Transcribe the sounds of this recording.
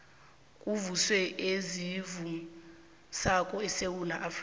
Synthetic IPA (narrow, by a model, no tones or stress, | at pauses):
kʼuvuswɛʔezivu | sakʼɔɛsewunaʔaf